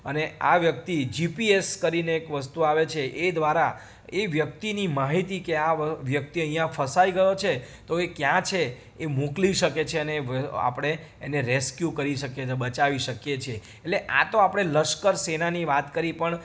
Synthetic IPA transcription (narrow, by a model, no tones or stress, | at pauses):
əneaʋjək̚t̪id͡ʒipieskəɾineːkʋəst̪uaʋet͡ʃʰeʔed̪ʋaɾa | eʋjəkt̪inimaɦit̪ikeaʋjək̚t̪iəɦĩjãfəsaiɡəjot͡ʃʰe | t̪oekjãt͡ʃʰeː | mokliʃəket͡ʃʰeəneʋa̰pɽ̃eː | neɾeskjukəɾiʃəkebət͡ʃaʋiʃəkjet͡ʃʰe | etleʔa̰t̪oapɽ̃eləʃkəɾsenaniʋat̪kəɾipəɳ